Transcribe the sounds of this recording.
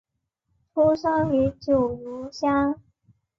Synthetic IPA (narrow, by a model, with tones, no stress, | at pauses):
t̪ʰu˥ʂɑ˥ŋy˧˥t͡ɕjo˨˩ʊju˧˥ɕja˥ŋ